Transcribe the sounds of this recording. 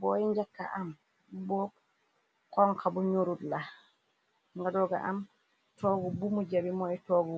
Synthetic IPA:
bɔjɛɲd͡ʒakːa̰ʔam | bɔ | kɔŋkabɔɲoɾudla | ŋɡadɔɡa̰ʔam | tɔɡɔbumud͡ʒabimɔɛtɔɡɔ

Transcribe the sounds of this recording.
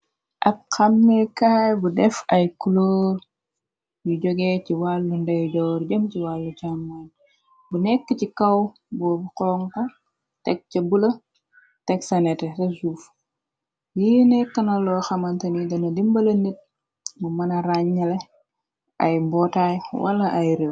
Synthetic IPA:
ʔɐb̚xɐmːɛkajbudɛfɐjkulɔːr | juɟɔɡɛciwalːundɐjuɟɔːrɟəmciwalːucamːan | bunɛkːəcikɐw | bɔːbukɔŋtɐ | tɛk̚t͡ʃɐbulɐ | tɛksɐnɛtɛsɐsuːf | jinɛkːɐnɐlɔxɐmɐntɐnidɔnɐdimbɐlɐnit̚ | mumɐnɐɾaɲːɐle | ɐ̰jbɔtajwɐ̰lɐʔajɾew

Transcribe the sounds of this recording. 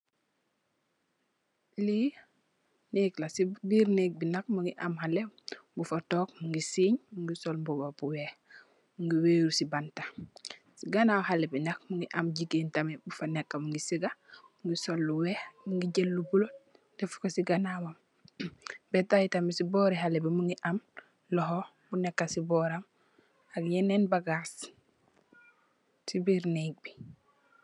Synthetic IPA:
liː | neːklasibiːɾnek̚binak̚muŋɡiʔamhalebufɐtɔːk̚muŋɡisiːɲmuŋɡisolbubapuweh | muŋɡiweːɾusibanta | siɡanawhalebinɐk̚muŋɡiʔamɟiɡeːntamebufanekːamuŋɡisiɡamuŋɡisolːuweːhmuŋɡiɟelːubulo | defu̥kosiɡanawam | betajitamisibɔːɾiɦalebimuŋɡiʔam | lɔɦo | bunekːasibɔːɾam | aɡjenenbaɡas | sibiɾnek̚bi̥

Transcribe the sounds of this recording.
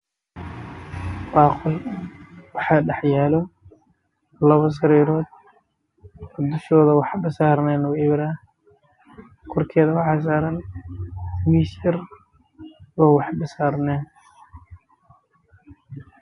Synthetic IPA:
b̥aːqʊl | wɑħɑːɖɛħjaːlɔ | lɐβɐsɐɾiːɾɔːd̪ | bɔd̪ʊʃɔːðɐwɑħbɪsaːɾnɛːnɔɪβɾa | qɔrkʰɛːðɐwɑħɑːs̬aːɾɐn | miːʃɪr | wɔːwɑħbɪsaːɾnɛːn

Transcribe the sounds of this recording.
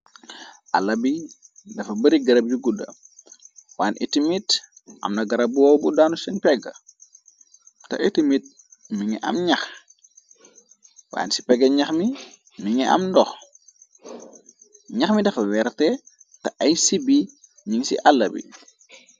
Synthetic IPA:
ʔa̰lːɐbi | dɐfɐbɐɾiɡɐɾɐb̚juɡudɐ̰ | waːnʔḭtimit | ʔɐ̰mnɐɡɐɾɐbbuɔwbudaːnusɛnpɛɡɐ̰ | tɐ̰ʔitimit̚ | miŋɛʔɐ̰mɲɐx | wa̰ːnsi̥pɛɡɐɲɐxmi | miŋɛʔɐ̰mndɔx | ɲaxmidɐfɐwɛɾtɛ | tɐɐjsibi | miŋsḭʔalːɐbḭ

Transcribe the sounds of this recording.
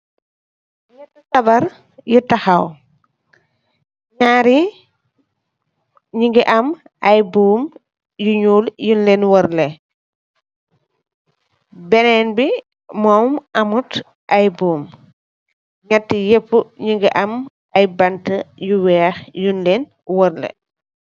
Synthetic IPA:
ɲɛtːɐsɐbɐɾ | jutɐxɐw | ɲaɾi | ɲiŋɡiʔɐm | ʔɐjbuːm | juɲuːljunlenwɔɾlɛ | bɛnɛnbi | mɔmɐmut | ʔɐjbuːm | ɲatːijepːuɲiŋɡiʔɐm | ɐjbɐntəjuwɛːxjunlen | wɔɾlɛ̰

